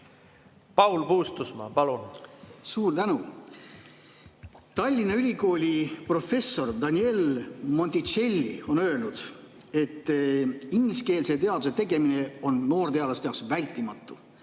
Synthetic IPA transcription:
pɑwlpuːst̪usmɑ̰pɑlunsuːrt̪ænu | t̪ɑlʲːinɑylʲiko̞ːlʲipro̞fe̞sːo̞rd̪ɑnʲie̞lmo̞nt̪it͡ʃe̞lʲːḭo̞nø̞e̞lnud̪̥ | e̞t̪ːiŋɡliske̞ːlse̞t̪e̞ɑd̪̥use̞t̪e̞ɡe̞mine̞o̞nːo̞ːrt̪e̞ɑd̪ɑst̪eɑoksvælʲt̪ːˑimɑt̪ˑːu

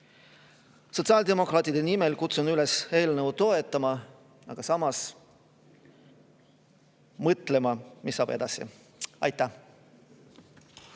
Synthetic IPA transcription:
so̞t̪sɑːld̪e̞mo̞kɾɑːt̪ˑid̪̥e̞nime̞lkut̪sunylese̞ːlnəvut̪o̞e̞t̪ˑːɑmɑ | ɑɡ̥ɑsɑmɑs | mɤt̪ˑle̞mɑmisːɑːb̥e̞d̪̥ɑsḭ | ɑ̰jt̪ːˑæh

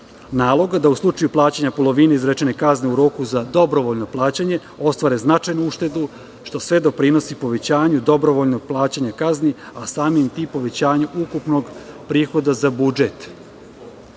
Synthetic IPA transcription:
naːlˠo̞ɡad̪auslˠut͡ʃajuplˠaːt͡ɕaɲapo̞lo̞ʋineizɾet͡ʃenekazneuɾo̞ːkuzad̪o̞bɾo̞ʋoʎno̞plˠaːt͡ɕaɲe̞ | o̞st̪ʋaːɾeznat͡ʃajnuuʃt̪e̞d̪u | ʃt̪o̞sʋe̞d̪o̞pɾino̞sipo̞ʋe̞t͡ɕaːɲud̪o̞bɾoʋo̞ʎno̞ɡ̚plˠaːt͡ɕaɲakazniasaːmimt̪ipːo̞ʋe̞t͡ɕaːɲuʔukupno̞ɡpɾiːxo̞d̪azabud͡ʒet̪

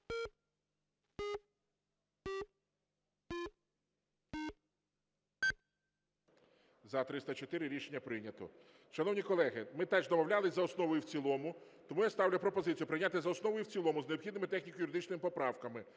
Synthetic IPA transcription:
zɐt̪ɾɪst̪ɐt͡ʃɔt̪ɪɾɪɾʲiʃenʲːɐpɾɪnʲɐt̪ɔ̰ | ʃɐnɔwnʲikɔlˠɛɦɪmɪt̪ɛʒd̪ɔmɔwlʲalˠɪzʲɐɔsnɔʋɔjuwt͡sʲilˠɔmʊt̪ɔmujast̪ɑwlʲpɾɔpɔzɪt͡sʲjʊpɾɪnʲat̪ejzɐɔsnɔʋɔjuwt͡sʲilˠɔmʊzneɔpxid̪nɪmɪt̪ɛxnʲikojʊɾɪd̪ɪt͡ʃnɪmɪpɔpɾɑwkɐmɪ

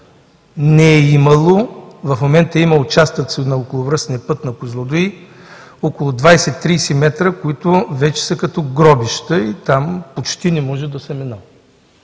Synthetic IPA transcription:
nɛɛimɐlˠovɐfmomɛnt̪əimɐʊt͡ʃast̪ət̪snɐokolˠʊvɾəsnijəpɤt̪nɐkʊzlˠod̪oi | ɔkʊlˠʊd̪vajsɛt̪ːɾisimɛt̪ɾəkoit̪ʊvɛt͡ʃɛ̥sɐkɐt̪ɔɡɾɔbiʃt̪əit̪ampot͡ʃt̪inɛmɔʒɛd̪ɐsɛmɛnə

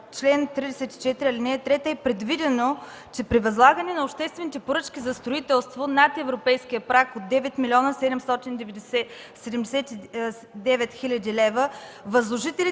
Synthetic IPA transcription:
t͡ʃlɛnt̪ɾid̪ɛsɛt̪i̥t͡ʃɛt̪iɾiɐlʲinɛt̪ɾɛt̪əɛpɾɛd̪vid̪ɛno | t͡ʃɛpɾivɐzlˠaɡənɛnɐopʃt̪ɛst̪vɛnit̪ɛpoɾɤt͡ʃkʲizɐst̪ɾoit̪ɛlˠst̪vonat̪ɛvɾopɛjsk̟ijəpɾakod̪ːɛvɛt̪milʲɔnəsɛd̪ɛmst̪ɔt̪ind̪ɛvɛd̪ɛsɛ | sɛd̪ɛmd̪ɛsɛt̪i | d̪ɛvɛt̪xilʲɐd̪ilɛvəvɐzlˠoʒit̪ɛli

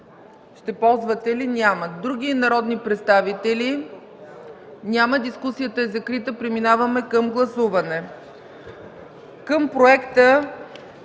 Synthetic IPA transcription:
ʃt̪ɛpɔlˠzvət̪ɛlinʲjaməd̪ɾuɡ̟inɐɾɔd̪nipɾɛt̪st̪avit̪ɛli | nʲaməd̪iskusijət̪əɛzɐkɾit̪əpɾɛminavəmɛkəmɡlˠɐsuvɐnɛ | kəmpɾoɛkt̪ə

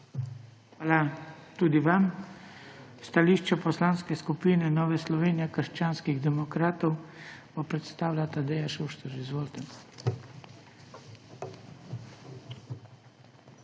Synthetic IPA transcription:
xʋaːlat̪uːd̪iʋam | st̪aliːʃt͡ʃɛpɔslanskɛskupiːnɛnɔːʋɛslɔʋeːnijɛkəɾʃt͡ʃaːnskiɣd̪ɛmɔkɾaːt̪ɔwbɔpɾɛt̪st̪aːwlʲat̪ad̪ɛːjaʃuʃt̪ɔɾizʋolt̪ɛn

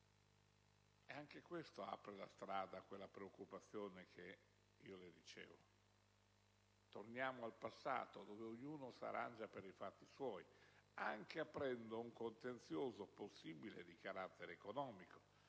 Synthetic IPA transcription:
eaŋkekwest̪oa̰pɾela̰st̪ɾaːd̪akwelːapɾeokːupat̪sːjoːnekʰe | iːoled̪it͡ʃḛːvo | t̪ornjaːmoalpasːa̰ːt̪od̪oːveoɲːuːnosa̰ɾʔa̰nd͡ʒapeɾifat̪ːiswɔːjaŋk̟eapːɾɛnd̪ouŋkont̪ent̪sjoːzoposːiːbilḛd̪ikaɾat̪ːeɾeːkonɔːmiko̥

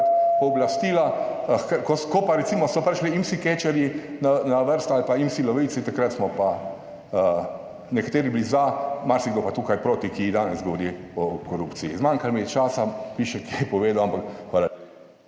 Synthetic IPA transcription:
t̪ɔblast̪iːlakkokɔpaɾɛt̪simɔsɔpɾɛʃliimsiket͡ʃɛɾjinanaʋəɾst̪alpaimsilɔʋisit̪akɾat̪smɔpa | ə | nɛkḁt̪eːɾiblizamaɾsiɡlopat̪uːkajpɾoːt̪ikiːd̪aːnɛsɡɔʋɔɾilɔkɔɾupt̪sijizmaŋkalmit͡ʃaːsapiːʃɛkiɛpɔʋeːd̪awampakxʋaːla

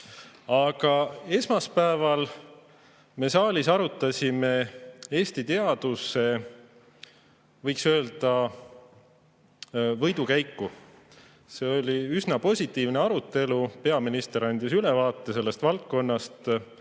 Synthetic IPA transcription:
ɑɡ̥ɑe̞smɑspæevɑl | me̞sɑːlʲisɑɾut̪ːˑɑsʲime̞e̞ːst̪it̪e̞ɑd̪̥use̞ | vɤjksø̞ːld̪̥ɑ | vɤjd̪ukæjkːu | se̞o̞lʲiysnɑpo̞sʲit̪ːˑiːvneɑɾut̪ːˑe̞lupe̞ɑminist̪e̞ɾɑnd̪̥ʲisylevɑːt̪ˑːe̞se̞lːe̞st̪vɑlt̪̚ko̞nːɑst̪

